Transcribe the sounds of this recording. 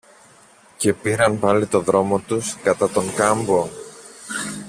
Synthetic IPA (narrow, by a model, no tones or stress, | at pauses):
ce̞piɾɐnpɐlit̪o̞ðɾo̞mo̞t̪uskɐt̪ɐt̪o̞ŋkɐmbo̞